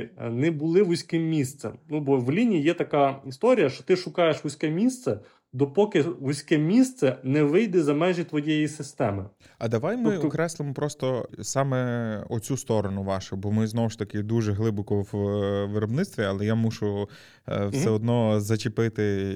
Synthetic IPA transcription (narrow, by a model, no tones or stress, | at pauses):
nɛbʊlˠɪʋʊsʲkɪmːʲist̪sɛmnubɔʋlʲinʲijijɛt̪ɐkaist̪ɔɾʲijɐʃt͡ʃɔt̪ɪʃʊkɑjeʃʋʊsʲkɛmʲist̪sɛ | d̪ɔpɔkɪʋʊsʲkɛmʲist̪sɛnɛʋɪjd̪ɪzɐmɛʒit̪ʋɔjɛjisɪst̪ɛmɪ | ɐd̪ɐʋajmɪkɾɛslˠɪmɔpɾɔst̪ɔsɑmɛɔt͡sʲust̪ɔɾɔnʊʋɑʃʊbɔmɪznɔwʊʃt̪ɐkɪd̪uʒɛɦlˠɪbɔkɔʋʋɪɾɔbnɪtst̪ʋʲiɐlˠɛjamuʒʊ | wsɛɔd̪nɔzɐt͡ʃɪpɪt̪ɪ